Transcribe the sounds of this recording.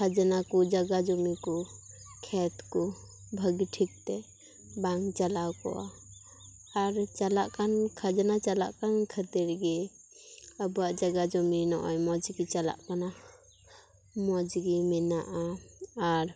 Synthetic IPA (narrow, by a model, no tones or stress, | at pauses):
kʰad͡ʒnakud͡ʒaɡad͡ʒɔmikɔkʰɛt̪kɔ | bʱəɡʈʰik̚t̪ɛ | baŋɡt͡ʃalawkɔ̰ʔa | aɾt͡ʃalaʔkankʰad͡ʒnat͡ʃala̰ʔkankʰət̪iɾɡɛ | əbuaʔd͡ʒaɡad͡ʒɔminɔʔɔjmɔd͡ʒɡit͡ʃala̰ʔkana | mɔd͡ʒɡimɛnaʔaː | ɾ